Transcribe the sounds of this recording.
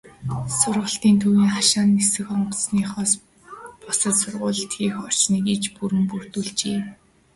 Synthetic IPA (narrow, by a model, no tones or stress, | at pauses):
sʊrʁə̆ɬt̪iːnt̪ʰuwiːŋχaʃaːnːesɘ̆xɔɴɢɞsniːχɔːs | pɔsə̆t̪sʊrʁʊːɮə̆ɬt̪ɡiːxɔr̥t͡ɕniːkit͡ɕpuɾɘ̆mpur̥t̪uɮt͡ɕeː